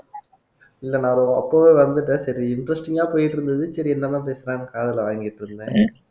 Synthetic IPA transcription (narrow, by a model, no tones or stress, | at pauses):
ɪlːɐnãːɾõɐpːoːʋeːʋɐnd̪ɯʈːɯsɐɾiɪɳɖɾɐsʈɪŋɡaːpoːjɪʈːɪɾɯnd̪ɐðɯsɐɾiɛnːɐt̪ãːp̬eːsɪɾãnːkaːðɐlʋaːŋɡɪʈːɾɯnd̪ḛ̃ː